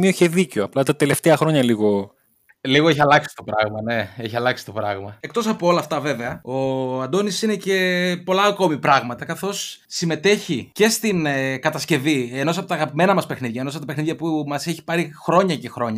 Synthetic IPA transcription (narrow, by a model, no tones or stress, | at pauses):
mioçeðiceoɐplɐt̪ɐt̪e̞le̞ft̪eɐxɾo̞ɲɐliɣo̞ | liɣoe̞çiɐlɐksi̥t̪o̞pɾɐɣmɐne̞eçiɐlɐksi̥t̪o̞pɾɐɣmɐe̞kt̪o̞sɐpoolɐft̪ɐve̞ve̞ɐo̞ɐnd̪o̞nisinece̞po̞lɐːko̞mipɾɐɣmɐt̪ɐkɐθo̞sːime̞t̪e̞çice̞st̪inkɐt̪ɐsce̞vieno̞sɐpo̞t̪ɐːɣɐpime̞nɐmɐspe̞xniðʝɐenosɐpot̪ɐpeniðʝɐpumɐseçi̥pɐɾixɾo̞ɲɐce̞xɾo̞ɲɐ